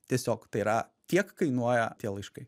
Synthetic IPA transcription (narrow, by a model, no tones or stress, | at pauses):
t̪ʲiɛsʲoːkt̪ɐɪiːɾɐt̪ʲiɛkkɐɪnuɔjɛt̪ʲiɛlˠɪʃkɐɪ